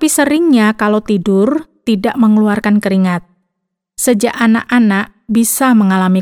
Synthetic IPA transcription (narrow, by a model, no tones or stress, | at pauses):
pisəɾɪŋɲakalowt̪idʊrt̪idaʔməŋəluarkankəɾiŋat̪̚ | səd͡ʒaʔanaʔanaʔbisaməŋalami